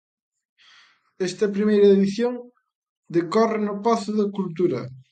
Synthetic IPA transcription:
ɛst̪ɐpɾimejɾɐeðiθjoŋ | d̪ekɔrɪnʊpaθʊðɐkult̪̬uɾɐ̰

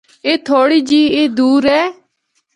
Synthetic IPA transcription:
eːt̪ʰoːɽiːd͡ʒiːeːd̪uːɾɛː

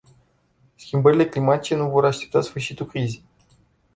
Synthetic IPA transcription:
skʲimbəɾile̞klimat̪it͡ʃe̞nuvo̞ɾaʃt̪e̞p̚t̪asfɨrʃit̪ulkɾize

